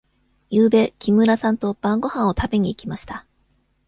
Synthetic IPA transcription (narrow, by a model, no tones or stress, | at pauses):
jɯːbe̞kʲimɯ̟ɾasãnt̪o̞b̥ãŋɡo̞hãɰ̃o̞t̪abe̞ɲ̟iːkʲimaɕi̥t̪a